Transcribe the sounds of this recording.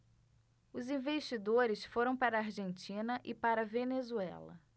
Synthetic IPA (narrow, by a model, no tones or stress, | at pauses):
ʊzĩveʃt͡ʃid̪oɾɪsfoɾɐ̃w̃paɾɐːɾʒẽnt͡ʃĩnɐʔɪpaɾɐvenezuɛ̰lɐ̰